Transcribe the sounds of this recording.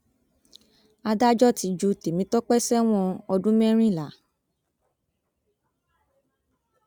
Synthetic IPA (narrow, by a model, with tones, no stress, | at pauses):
a˧da˦d͡ʒɔ˦ti˨˧d͡ʒu˧˦te˨mĩ˨˦tɔ˦k͡pɛ˦sɛ˦w̃ɔ̃˦˧ɔ˧dũ˦mɛ̃˦ɾ̃ĩ˦˨la˨˦